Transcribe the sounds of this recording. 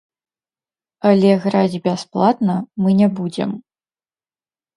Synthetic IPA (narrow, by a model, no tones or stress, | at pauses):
ɐlʲɛɣɾad͡zʲbʲasplˠat̪nɐmɨnʲɛbud͡zʲɛ̰m